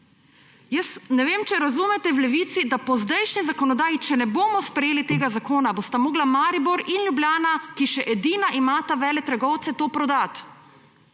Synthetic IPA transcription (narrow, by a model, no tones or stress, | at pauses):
jəsnɛʋeːmt͡ʃɛɾazuːmɛt̪ɛwlɛʋiːt̪sid̪apɔzd̪ɛjʃnizakɔnɔd̪aːjit͡ʃɛnɛboːmɔspɾɛjeːlit̪eːɡazakoːnabost̪amoːɡlamaːɾibɔɾinljubljaːnakiʃɛʔɛd̪iːnaʔimaːt̪aʋɛːlɛt̪ɾɛɡɔwt̪sɛt̪oːpɾɔd̪at̪